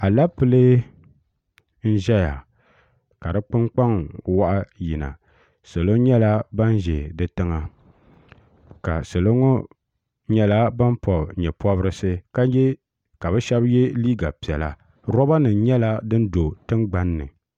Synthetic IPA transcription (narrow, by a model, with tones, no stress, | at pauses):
a˨la˦pɨ˦lɨ˦ | n̩˦ʒɛ˦ja˨ | ka˨dɨ˦k͡pɨ˦ŋ͡mk͡pa˦ŋwa˦ʔa˦ji˨na̰˨ | sa˨lo˦ɲɛ˦la˦ba˦n˦ʒɛ˨dɨ˦tɨ˦ŋa˨ | ka̰˨sɨ˨lo˦ŋɔ˦ | ɲɛ˦la˦ba˦npɔ˨bɲɛ˨pɔ˦bɾɨ˦sɨ˦ka˦jɛ˦ | ka˨bɨ˦ʃɛ˦bjɛ˦liː˦ɡa˨pi˨ɛ˨la̰˨ | ɾɔ˦ba˦nɨ˨˦ɲɛ˦la˦dɨ˦n̩˦do˨tɨ˦ŋɡ͡ba˦nːɨ̰˨